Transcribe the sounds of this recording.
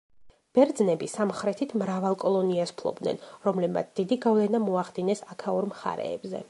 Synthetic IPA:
b̥ɛɾd̪znɛbisamχɾɛt̪ʰit̪ʰmɾavalˠkʼɔlˠɔniaspʰlˠɔ̰bd̪nɛ̰nɾɔmlɛbma̰t̪sʰd̪̥id̪iɡavlɛnamɔaχd̪inɛsakʰauɾmχa̰ɾɛ̰ːbzɛ̰

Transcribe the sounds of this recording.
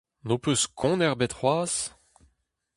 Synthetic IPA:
nopøskʰɔ̃nɛʁbɛt̪χwaːs

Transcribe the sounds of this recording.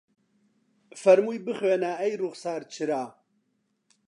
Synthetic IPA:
fɐɾmujbɨχweːnaɛjruɣsaːɾt͡ʃʰɨɾaː

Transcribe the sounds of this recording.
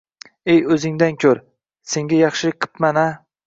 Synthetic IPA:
ejɵzɪŋd̪ankʲʰɵɾ | se̞ŋɡʲajɑχʃɪlɪk̚ʲqʰɨ̥pmana

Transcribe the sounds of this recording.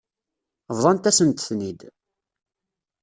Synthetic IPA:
vðˤɑnt̪æsənt̪θnid̪

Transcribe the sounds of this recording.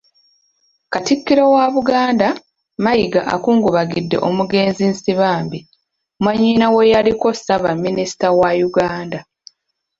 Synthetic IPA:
katikːiɾo̞waβuɡaːnda | majiɡaʔa̰kuːŋɡuβaɡidːe̞̰ʔomuɡe̞ːnzinsiβaːmbi | mwaɲːiːnawejaliko̞saβamːinisi̥tawajuɡaːnda

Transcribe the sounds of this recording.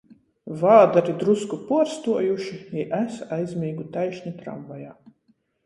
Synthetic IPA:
vaːd̪aɾid̪ɾuskupuɔɾst̪uɔjuʃiiʔæsajzʲmʲiːɡut̪ajʃɲit̪ɾa̰mvajaː

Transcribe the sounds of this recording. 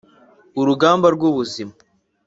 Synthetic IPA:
uɾuɡaːmbaɾɡwuβuzima

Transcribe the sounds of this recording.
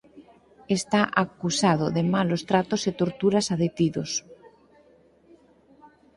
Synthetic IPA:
est̪aʔakusað̞oðemalost̪ɾat̪oset̪oɾt̪uɾasaðet̪iðos

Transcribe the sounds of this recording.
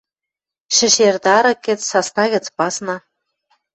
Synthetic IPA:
ʃɘ̆ʃerd̪ɑɾɤ̆kːɘ̆t͡ssɑsnɑɣɘ̆t͡spɑsnɑ

